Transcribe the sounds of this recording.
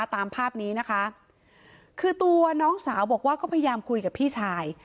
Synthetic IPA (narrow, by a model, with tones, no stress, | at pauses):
t̪aː˧mpʰaː˥˩p̚niː˦˥na˦˥kʰa˦˥ | kʰɯː˧t̪u˧ɐnɔː˦˥ŋsaː˩˦wbɔː˨˩k̚waː˥˩kɔː˥˩pʰja˧jaː˧mkʰu˧jka˨˩pʰːiː˥˩t͡ɕʰaː˧j